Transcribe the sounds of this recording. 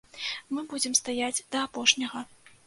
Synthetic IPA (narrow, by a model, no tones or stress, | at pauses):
mɨbud͡zʲɛmst̪ajad͡zʲd̪ɐːpɔʂnʲɐɣɐ